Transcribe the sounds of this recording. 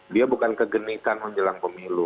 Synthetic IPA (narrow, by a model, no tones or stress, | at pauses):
diabukankəɡənisanməɲd͡ʒəlaŋpəmilu